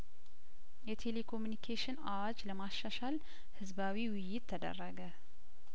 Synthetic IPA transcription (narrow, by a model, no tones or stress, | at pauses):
jɛt̪ʰe̞le̞kʰo̞mjunikʰeʃɪnawad͡ʒləmaʃːaʃal | hɨzbawiwʊjːɪt̪ʰːəd̪ə̰rːəɡə